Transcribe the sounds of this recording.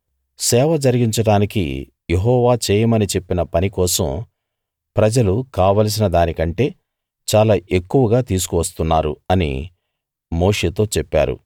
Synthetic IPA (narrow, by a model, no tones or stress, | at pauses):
sɛːʋɐd͡ʒɐɾiɡiɲt͡ʃɐɽaːnikḭ | jeɦɔːʋaːt͡ʃeːjɐmɐnit͡ʃe̞pːinɐpɐnikɔːsɐ̰m | pɾɐd͡ʒɐlukaːʋaːls̬inɐd̪aːnikɐɳʈe̞ː | t͡ʃaːlaːʔe̞kːuʋɐɡaːt̪iːs̬u̥kuʋɐst̪unːaːɾuɐnḭ | mo̞ːʂe̞ːt̪o̞ːt͡ʃɛpːa̰ːɾṵ